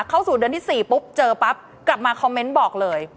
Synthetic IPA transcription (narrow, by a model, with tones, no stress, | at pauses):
kʰːa˥˩wsuː˨˩dɯ˧t̪ʰiː˥˩siː˨˩pu˦˥p̚t͡ɕɤː˧pa˦˥p̚ | kla˨˩p̚maː˧kʰɔ˧mːe˦˥nbɔː˨˩k̚lɤː˧j